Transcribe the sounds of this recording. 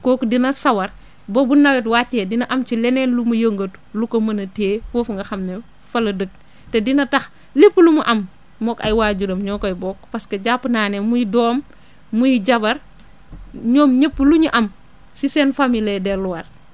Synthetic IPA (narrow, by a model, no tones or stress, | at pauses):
kɔːkdinɐsɐwɐɾ | bobunɐwɛtwat͡ʃːɛdinɐʔɐmt͡ʃilɛnɛːnlumujəŋɡɐtlukomɐnɐteːfoːfuŋɡɐxɐmne | fɐlɐdək̚ | tedinɐtɐx | lipːlumuʔɐm | mɔkɐ̰jwaːɟudɐmɲɔːkɐjbɔːk̚pɐskɐɟapːnaːnemujidɔːmː | ujiɟɐbɐɾ | ɲɔːmɲəpːəluɲuʔɐm | sisɛːnfamiledɛluwat̚